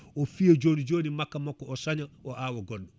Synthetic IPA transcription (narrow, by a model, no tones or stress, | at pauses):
ofijed͡ʒoːnid͡ʒoːnimakːamɔkːɔɔsaɲaɔʔawaɡɔɗːɔ